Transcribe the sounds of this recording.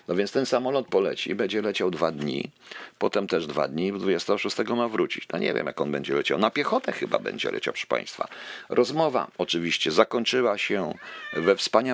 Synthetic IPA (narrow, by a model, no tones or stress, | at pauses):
nɔvʲjɛntst̪ɛnsamɔlɔt̪̚pɔlɛ̰t͡ɕḭbɛɲd͡ʑɛlɛt͡ɕawd̪vad̪ɲḭ | pɔt̪ɛmt̪ɛʐd̪va̰d̪ɲid̪vud͡ʑɛst̪ɛɡɔʂust̪ɛɡɔmavɾut͡ɕḭt͡ɕnɔ̰ɲɛ̰vʲjɛ̰mjakɔnbɛɲd͡ʑɛlɛt͡ɕa̰wnapʲjɛxɔt̪ɛxɘba̰bɛ̰ɲd͡ʑɛ̰lɛ̰t͡ɕa̰wpʂɘ̥pã̰j̃st̪fa̰ɾʔɔzmɔva̰ɔt͡ʂɘvʲiɕt͡ɕɛzakɔɲt͡ʂɘwaɕɛvɛfspaɲa